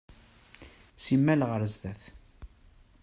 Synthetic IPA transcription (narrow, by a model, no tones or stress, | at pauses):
simːælʁəɾzðæθ